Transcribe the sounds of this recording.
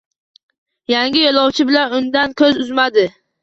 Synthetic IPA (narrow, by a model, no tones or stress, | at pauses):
jaŋɡʲɪjolˠɒwt͡ʃʰɪbɪlanʊnd̪ankʲʰɵzʊzmad̪ɪ